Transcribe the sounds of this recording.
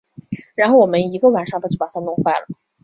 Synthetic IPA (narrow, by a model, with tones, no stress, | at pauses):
ɻa˧˥nxo˥˩ʊwɔ˨˩mə˦ni˧˥ɡə˧wa˨˩nʂɑ˥ŋpt͡ɕʰpa˨˩a˥nʊ˥˧ŋxwa˥˩lə˩